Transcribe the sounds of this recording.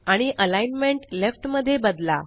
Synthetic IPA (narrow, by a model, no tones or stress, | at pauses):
aɽ̃iʔəlajnmeɳʈlefʈməd̪ʱːjebəd̪la̰